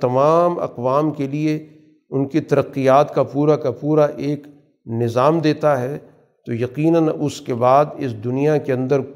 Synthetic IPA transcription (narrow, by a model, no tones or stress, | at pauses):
t̪ɐmaːmɐ̰qʋaːmkelie | ʊnkit̪ɐɾəqːijaːt̪kapuːɾakapuːɾaʔeːk | nɪzaːmd̪eːt̪aɦɛ | t̪ojɐqiːnənʊskebaːd̪ɪsd̪ʊnijakeɐ̃nd̪əɾ